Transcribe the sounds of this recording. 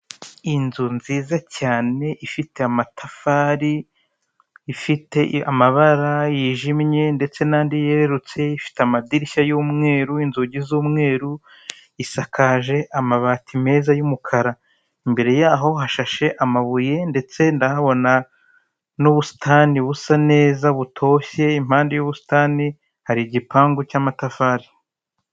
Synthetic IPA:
inzunziːzacaːne̞ʔifitʰe̞amatʰafaːɾi | fite̞a̰maβaɾajiːʒimɲe̞nde̞t͡se̞naːndijeɾeɾut͡se̞ifi̥teamadiɾiʃajuːmŋe̞ːɾuinzuɟizuːmŋe̞ːɾu | isakʰaːʒe̞ʔamaβaːtʰime̞ːzajumukʰaɾa | imbe̞ɾe̞jaːɦo̞ɦaʃaʃe̞ʔamaβuje̞nde̞t͡se̞ndahaβo̞na | nuβusi̥tʰaːniβusane̞ːzaβutʰo̞ːçe̞im̥haːndejoβusi̥tani | haɾiɟipaːŋɡucaːmatafaːɾi

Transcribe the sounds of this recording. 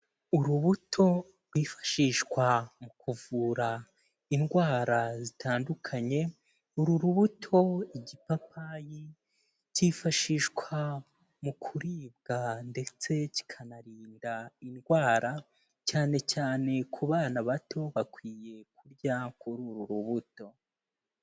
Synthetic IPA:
uɾuβutʰo̞ | ɾɡwiːfḁʃiʃkwamukʰuvuːɾa | inɡwaːɾazitaːndukʰaɲe̞ | uɾuɾuβutʰo̞iɟipapaji | ciːfaʃiʃkwa | mukʰuɾiːbɡande̞t͡se̞ci̥kʰanaɾiːndainɡwaːɾa | caːne̞caːne̞kʰuβaːnaβato̞βakwiːje̞kuɾɟakʰuɾuɾuɾuβuto̞

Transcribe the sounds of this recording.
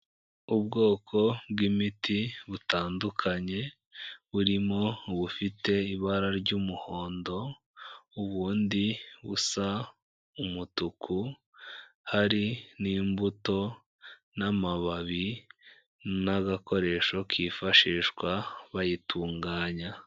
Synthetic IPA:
ubɡo̞ːkʰo̞bɡimitiβutaːndukʰaɲe̞ | βuɾimo̞βufite̞iβaɾaɾɟuːmuho̞ːndo̞ | uβuːndiβṵsa | umutukʰu | haɾiniːmbuto̞ | namaβaβi | naɡako̞ɾe̞ʃo̞kʰiːfaʃiːʃkwaβajitʰuːŋɡaːɲa

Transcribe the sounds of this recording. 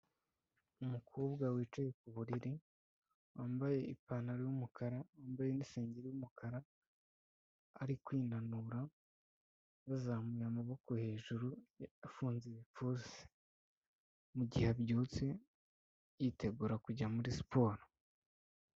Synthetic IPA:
umukʰoːbɡawiːt͡ʃaje̞k̚uβuɾiɾi | waːmbaje̞ipanaɾijumukʰaɾawaːmbajeniseːɲɟeɾijumukʰaɾa | ɾikwiːnanuɾa | βazamujamaβo̞ko̞he̞ːʒuɾuafuːnzeβip͡fuzi̥ | muɟihebɟuːt͡se̞ | jitʰe̞ɡuːɾakuɟamuɾispʰo̞ːɾo

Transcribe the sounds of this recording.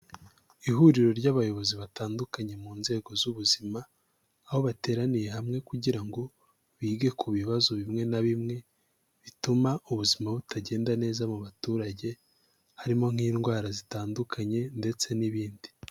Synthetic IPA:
iɦuɾiɾo̞ɾɟaβajo̞βo̞ziβataːndukaɲe̞muːnze̞ːɡo̞zuβuzimaː | ho̞βate̞ːɾanije̞ɦamŋe̞kuɟiɾaŋɡo̞ | βiːɡe̞kʰuβiβazo̞βimŋe̞naβimŋe̞ | βitumaʔuβuzimaβutaɟe̞ːndane̞ːzamuβatuːɾaɟe̞ | haɾimo̞ŋ̥iːnɡwaːɾazitaːndukʰaɲe̞nde̞t͡se̞niβiːndi

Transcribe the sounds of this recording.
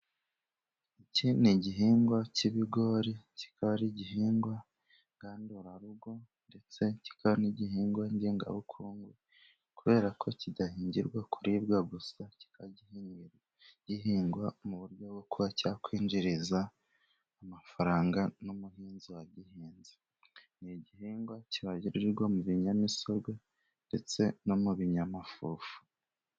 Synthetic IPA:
iciniɟiɦiːŋɡwaciβiɡo̞ːɾici̥kaβaɾiɟiɦiːŋɡwa | ŋɡaːndoɾaɾuɡo̞ | nde̞t͡se̞ci̥kʰaβaniɟiɦiːŋɡwaɲɟeːŋɡa̰βukʰuːŋɡwe | kuβe̞ːɾakʰo̞cidahiːɲɟiɾɡwakʰuɾibɡaɡusaci̥kaɟihinɾ | ɟihiːŋɡwamuβuɾɟo̞ɡokuβacaːkwiːɲɟiɾizaː | mafaɾaːŋɡanomuhiːnziwaɟihiːnzi | niɟihiːŋɡwaciβaɟiɾiɾiɾɡomuβiɲamiso̞ɾɡwe | nde̞t͡se̞no̞muβiɲamafuːfu̥

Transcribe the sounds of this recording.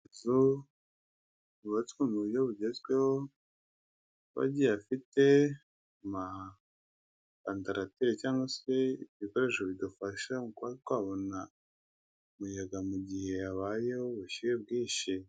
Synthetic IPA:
zu | βuβat͡swomuujoβuɟezkweho | βa̰ɟijafite̞ | ma | kantaɾatiɾecaːŋɡoseβiko̞ɾe̞ʃoβidufaʃamukaitwaːβo̞na | mujaɡamuɟihe̞aβajeoβuʃijebɡiːʃi

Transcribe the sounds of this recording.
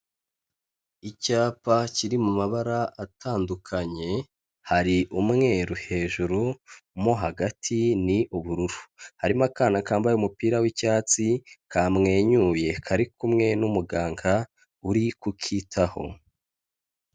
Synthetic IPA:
icaːpaciɾimumaβaɾaʔatʰaːndukʰaɲe̞ | haɾiʔumŋe̞ɾuhe̞ːʒuɾumoɦaɡatʰiniʔuβuɾuɾuhaɾimakaːnakaːmbajeumupiːɾawicaːt͡sikʰamŋe̞ːɲuje̞kʰaɾikumŋe̞numuɡaːŋɡa | uɾikukʰitʰaho̞̰

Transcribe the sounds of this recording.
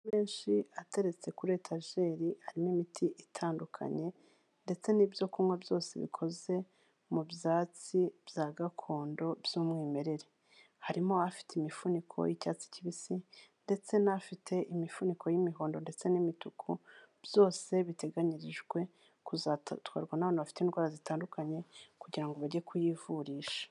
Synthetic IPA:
meːnʃiate̞ɾe̞t͡se̞kuɾe̞tʰaʒe̞ɾihaɾimoimitʰiʔitʰaːndukʰa̰ɲe̞ | nde̞t͡se̞niːbjo̞kumwabjo̞ːse̞̰βḭkʰo̞ze̞ | mubjaːt͡sibjaːɡakʰo̞ːndo̞bjumŋiːme̞ɾe̞ɾe̞ | haɾimo̞afi̥teimifunikʰo̞̰jicaːt͡si̥ciβisinde̞t͡se̞nafitʰe̞ʔimifunikʰojimiɦo̞ːndo̞nde̞t͡se̞nimitukʰub̥jo̞ːse̞βite̞ɡaɲiɾiʒɡwe̞ | kuzatwa̰ːɾɡwanaβaːnaβafi̥teiːndɡwaːɾazitaːndukaɲe̞kuɟiɾaŋɡoβaɾɟekʰujivuɾiːʃḁ

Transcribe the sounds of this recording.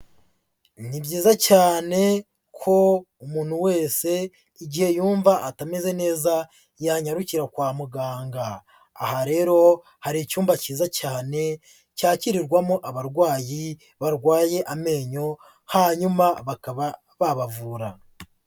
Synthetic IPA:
nibɟiːzacaːne̞ | kʰo̞ | umuːn̥huwe̞ːse̞ | iɟihe̞juːɱvaʔatameze̞ne̞ːza | jaɲaɾuciɾakwaːmuɡaːŋɡaː | haɾe̞ːɾo̞ | haɾicuːmvaciːzacaːne̞ | caːciɾiɾɡwamoʔaβaɾɡwaːji | βaɾɡwaːje̞ʔame̞ːɲo̞ | haɲumaβakaβa | βaβavuɾa

